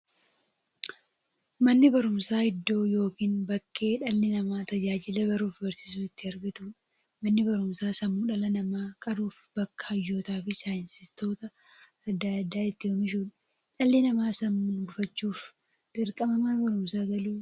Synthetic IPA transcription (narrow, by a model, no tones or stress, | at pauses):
mɐnːɪbɐɾʊmsaːhɪd̪ːo̞ːjo̞ːkiːnbɐkːe̞ːᶑɐlːɪnɐmaːt̪ɐd͡ʒaːd͡ʒɪlɛbɐɾuːfbɐɾsɪ̥s̬uɪt̪ːɪɐɾɡɐt̪uːᶑɐ | mɐnːɪbɐɾʊmsaːsɐmːuːᶑɐlɐnɐmaːkʼɐɾuːfbɐkːɐ̥ɐjːo̞ːt̪aːfɪsaːjɪnsɪst̪o̞ːt̪ɐː | d̪ːad̪ːaːɪt̪ːɪhɔnɪʃuːᶑɐ | ᶑɐlːɪnɐmaːsɐmːuːnɡʊfɐt͡ʃːuːf | d̪̥ɪɾkʼɐmɐmɐnbɐɾʊmsaːɡɐluː